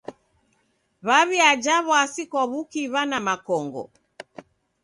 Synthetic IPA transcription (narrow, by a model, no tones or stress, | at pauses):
βaβiad͡ʒaβɔasikɔβukiβanamakɔŋɡɔ̰